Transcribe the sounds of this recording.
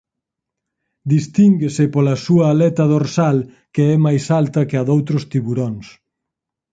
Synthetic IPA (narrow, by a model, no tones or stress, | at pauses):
d̪ist̪iŋɡesɪpolɐsuɐːlɛt̪ɐðoɾsal | keɛmajsalt̪ɐkeɐðowt̪ɾʊst̪iβuɾoŋs